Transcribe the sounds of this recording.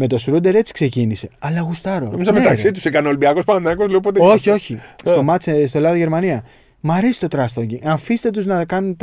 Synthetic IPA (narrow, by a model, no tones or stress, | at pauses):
me̞t̪o̞sɾud̪e̞ɾe̞t͡si̥kse̞cinise̞ɐlɐɣust̪ɐɾonomizɐmet̪ɐkssit̪usikɐneolbiɐkospɐɐnɐkozleopot̪eo̞çio̞çist̪o̞mɐt͡sest̪olɐðoʝe̞ɾmɐniɐ | mɐɾesi̥t̪o̞t̪ɾɐst̪oɲɟiɐɱfist̪e̞t̪uznɐkɐnunt̪